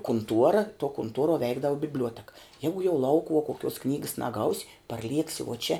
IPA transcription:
kʊnˈtuɔrɐ tuɔ kʊnˈtuɔruɔ ˈʋʲɛɪɡdɐʋɐ bʲɪbʲˈlʲuɔtʲɛkɐ ˈjæːɡʊ jɛʊ ˈlˠɐʊkʊʋuɔ koːˈkʲuɔs ˈknʲiːɡɐs nɐˈɡɐʊsʲ pɐrʲˈlʲiɛksʲɪ uɔ t͡ʃʲɛ

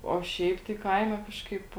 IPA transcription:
oː ˈʃʲɛɪp tɐɪ ˈkɐɪmʲɛ ˈkɑːʃkɐɪp

